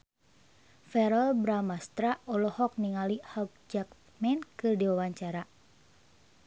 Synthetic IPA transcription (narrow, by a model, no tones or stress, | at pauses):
fɛɾɔlbɾamast̪ɾaɔlɔhɔk̚niŋalihak̚d͡ʒak | mɛnkɨrdiwawaɲt͡ʃaɾa